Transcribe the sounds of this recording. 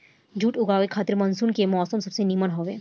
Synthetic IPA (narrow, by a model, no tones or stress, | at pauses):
d͡ʒuːʈʊɡaːʋekʰaːt̪ɪɾmɐnsuːnkemɔːsəmsɐbsenimənɦoːʋeː